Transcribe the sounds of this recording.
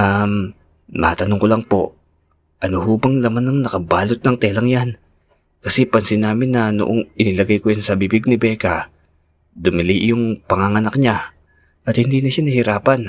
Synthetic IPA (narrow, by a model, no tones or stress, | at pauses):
ʔamː | ɐat̪ɐnoŋkolɐŋpo̞ʔ | ʔɐnohuːbɐŋlɐmanːɐŋnɐkɐbaːlot̪̚nɐŋt̪ɛlɐŋjan | kɐsɛpɐnsɪnːaːmɪnːɐno̰ʔoŋʔɪnɪlɐɡajkojansɐbibɪɡ̚nɪbɛːka | d̪ʊmɪliʔjʊŋpɐŋaŋɐnɐk̚ɲa | ʔɐt̪hɪnd̪iːnɐʃanɐhɪɾaːpɐn